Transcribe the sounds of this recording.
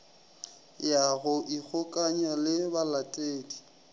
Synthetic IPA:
jaɣʊʔik͡xʰʊkʼaɲalɪbalatʼeːdi

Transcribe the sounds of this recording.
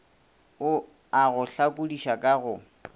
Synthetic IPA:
ʊ | aɣʊɬakʼudiʃakʼaɣʊ

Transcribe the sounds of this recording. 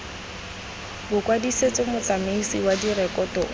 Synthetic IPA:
bʊkʼwadiset͡sʼɔmʊt͡samesiwadirɛkʼɔtʼɔ

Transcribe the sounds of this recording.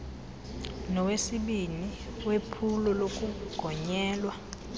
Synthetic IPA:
nɔwesiɓiniwepʰulɔlokʼuɡ̥ʱɔɲɛːlwa

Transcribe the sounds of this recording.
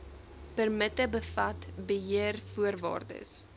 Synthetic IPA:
pərmətəbəfɐtbəɦiərfuərvɑ̰ːrdə̰s

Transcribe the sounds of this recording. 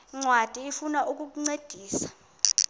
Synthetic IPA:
ŋ͡ǀwad̥ʱiifunaʔuk̬ʼuk̬uŋ͡ǀed̥ʱiːsḁ

